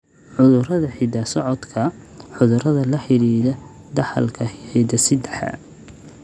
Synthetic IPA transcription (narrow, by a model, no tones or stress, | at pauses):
ħʊðʊrɐðɐħɪd̪ɐsɔʕɔd̪kʰɐ | ħʊðʊrɐðɐlɐħɪɾiːðɐ | d̪ɐħɐ̰lkʰɐħɪd̪ɐsɪd̪ɛħɐ̰